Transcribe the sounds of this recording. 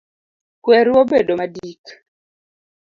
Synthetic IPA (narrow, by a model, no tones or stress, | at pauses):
kwɛɾwobedomadik